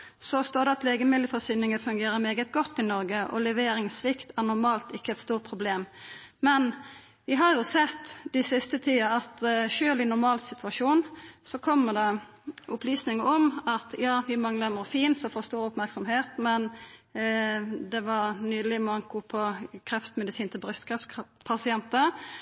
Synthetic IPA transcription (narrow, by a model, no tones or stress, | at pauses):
sɔst̪oːɾd̪ɛɑt̪leːɡəmɪlːəfɔɾsyːnɪŋəfʉŋɡeːɾəɾmeːɡət̪ɡɔt̪ːɪnɔɾɡəʔɔ̰lɛʋeːɾɪŋsʋɪkt̪æʁnʊɾmɑːlt̪ɪkːəɛt̪st̪uːɾpʰɾʊbleːm | mɛn | ʋɪɦɑɾjʊsɛt̪ːd̪ɪsɪst̪ət̪ʰiːɑɑt̪ʃøːlɪnʊɾmɑːlsɪt̪ʉɑʂuːnsɔkʰɔmːəd̪ɑ | ʔʊplyːsnɪŋəɔmɑt̪jɑːʋɪmɑŋləməɾfiːnsɔfoːɾst̪uːɾʊpmæɾksɔmɦeːt̪mɛn | d̪ɛʋɑɾnyːd̪l̩ɪmɑŋkʊpʰɔkʰɾɛft̪mɛd̪ɪsiːnt̪ʰɪlbɾʏst̪kʰɾɑfspʰɑsɪɛnt̪ə